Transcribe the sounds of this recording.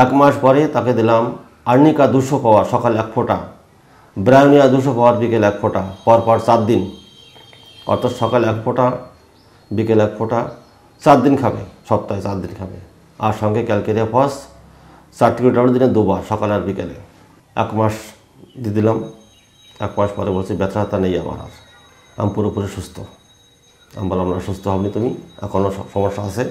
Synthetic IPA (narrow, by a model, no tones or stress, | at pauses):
ɛkmaʃpɔɾet̪aked̪ilam | aɾnikad̪uʃopaoaɾʃɔkalɛkfʰoʈa̰ | bɾajonijad̪uʃopaoaɾbikelɛkfʰoʈapɔɾpɔɾt͡ɕat̪̚d̪in | ɔ̰ɾt̪ʰat̪ʃɔkalɛkfʰoʈa | bikelɛk̚fʰoʈa | t͡ɕat̪̚d̪inkʰabḛʃɔb̚t̪aet͡ɕat̪̚d̪inkʰabḛ | aɾʃɔŋɡekɛlkeɾeapʰɔs | t͡ɕaʈːikɾiʈabɽed̪ined̪ubaɾʃɔkalaɾbikele | ɛ̰kmaʃ | d̪id̪ilam | ɛ̰kmaʃpɔɾeboɾt͡ɕʰibɛt̪ʃat̪anejaba̰ɾa̰ɾ | a̰mpuɾopuɾeʃust̪ʰo | a̰mbalamnaʃust̪ʰoɦɔbnit̪umiɛ̰kʰonoʃɔmoʃːaat͡ɕʰe